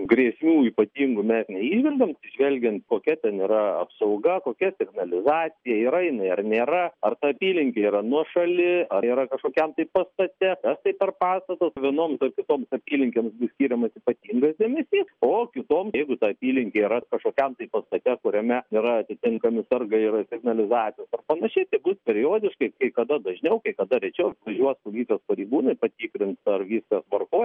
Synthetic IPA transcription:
ɡrʲiɛsʲmʲuːiːpɐt̪ʲiːŋɡʊmʲɛsnʲɛiːʒʲʋʲɛlʲɡʲɛmɐsʲɪʒʲʋʲɛlʲɡʲɛnt̪koːkʲɛt̪ʲɛniːɾɐɐ̰psɐʊɡɐkoːkʲɛsʲɪɡnɐlʲɪzɑːt̪t͡s̪ʲɪjɛiːɾɐɪnɐɪɐrnʲeːɾɐɐrt̪ɐɐpʲiːlʲɪŋʲkʲeiɾɐnuɔʃɐlʲɪɐiːɾɐkɐʃkoːkʲɛmt̪ɐɪpɐst̪ɐt̪ʲɛk̪ɐst̪ɐɪpʲɛrpɑːst̪ɐt̪osʋʲiɛnoːmsɐrkʲɪt̪oːmsɐpʲiːlʲɪŋʲkʲeːmsbʊssʲkʲiːɾʲɛmɐsiːpɐt̪ʲiːŋɡɐsd̪ʲɛmʲɛsʲiːsoːkʲɪt̪oːmjɛɪɡʊt̪ɐɐpʲiːlʲɪŋʲkʲeiːɾɐkɐʃkoːkʲɛmt̪ɐɪpɐst̪ɐt̪ʲɛkʊɾʲɛmʲɛiɾɐɐt̪ʲɪt̪ʲɪŋkɐmʲɪsɐrɡɐɪrsʲɪɡnɐlʲɪzɑːtt͡s̪ʲɪjoːsɐrpɐnɐʃʲɛɪt̪ɐɪbʊspʲɛɾʲɪjoːd̪ʲɪʃkɐɪkɐɪkɐd̪ɐd̪ɐʒʲnʲɛʊkɐɪkɐd̪ɐɾʲɛɪt͡ʃʲɛʊʋɐʒʲuɔspolʲiːt̪ʲospɐɾʲɛɪɡuːnɐɪpɐt̪ʲiːkɾʲɪnsɐrʋʲiːskɐsʋɐrkoː

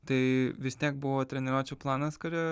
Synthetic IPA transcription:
t̪ɐɪʋʲɪsʲt̪ʲiɛk̚bʊʋoːt̪ʲɾʲɛnʲɛɾuːt͡ʃʲuːplˠɑːnɐskɐɾʲɛ

